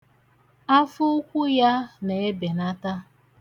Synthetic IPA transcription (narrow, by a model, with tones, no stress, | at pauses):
a˦fʊ˦kʷʊ˦ja˦ne˨e˦be˨na˦ta˦